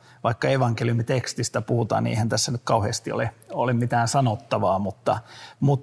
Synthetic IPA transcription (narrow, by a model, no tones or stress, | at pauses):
ʋɑikːɑeʋɑŋkeljumit̪ekst̪ist̪æpuhut̪ɑ̰ːniḛihænt̪æsːænyt̪̚kɑuheːst̪io̰leolemmit̪æːnsɑnot̪ːɑʋɑːmut̪ːɑmut̪